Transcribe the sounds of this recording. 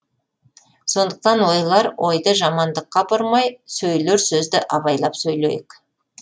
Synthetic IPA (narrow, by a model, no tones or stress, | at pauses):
so̞nd̪əq̚t̪ɑnwo̞jlˠɑɾwʔo̞jd̪əʒɑmɑnd̪əqːɑbʊɾmɑjsɵjleɾsɵzd̪ɪʔɑβɑjlˠɑpsɵjlḛjɪk